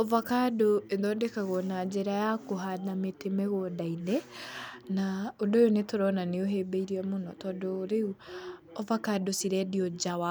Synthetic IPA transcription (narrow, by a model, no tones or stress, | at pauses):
ɔvakadoendɔːndekaɣɔnad͡ʒɛɾajakoɦanametemɛɣɔdainɛ | naodojonetɔɾɔnaneoɦeːbeiɾiɛmonɔtɔːdoːɾeu | ɔvakadosiɾɛdiɔd͡ʒawa